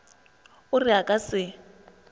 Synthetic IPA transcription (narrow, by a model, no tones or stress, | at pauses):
ʊrɪakʼasɪ